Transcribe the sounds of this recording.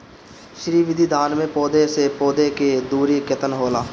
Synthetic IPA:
ʃɾiːʋɪd̪ʱid̪ʱaːnmẽpoːd̪esepoːd̪eked̪uːɾikɪt̪ənɦoːlaː

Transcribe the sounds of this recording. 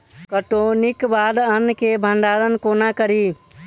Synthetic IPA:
kəʈonikbad̪ənːkebʱəɳɖaːɾənkonakəɾi

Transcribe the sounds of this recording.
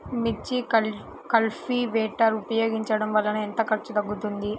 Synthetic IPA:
mit͡ʃːi | kɐlfiʋɛːʈɐɾupɐjo̞ːɡiɲt͡ʃɐɽɐmʋɐlːɐnuent̪ɐkɐɾt͡ʃːud̪ɐɡːut̪und̪i

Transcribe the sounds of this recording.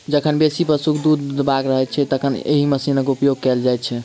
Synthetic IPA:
d͡ʒəkʰənbesipəɾsukʰd̪ud̪ːbakɾəɦɛt͡ʃʰɛt̪əkʰənḛɦiməsinəkupjoɡ̚kɛld͡ʒajt̪t͡ʃʰɛ

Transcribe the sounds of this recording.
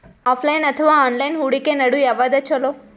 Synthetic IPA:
ɔfʰlajnət̪ʰəʋaɔnlajnɦuɽikenəɽujaʋad̪at͡ʃʰolo

